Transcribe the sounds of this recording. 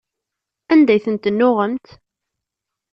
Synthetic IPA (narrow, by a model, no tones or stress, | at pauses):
ænd̪æjθənt̪ənːʊʁəmt̪